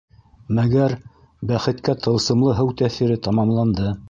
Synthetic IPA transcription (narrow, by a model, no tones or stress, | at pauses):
mæɡæɾ | bæχɘ̆t̪kæt̪ʰɤ̆lˠsɤ̆mlˠɤɦɘwt̪æθiɾɘt̪ɑmɑmlˠɑnd̪ɤ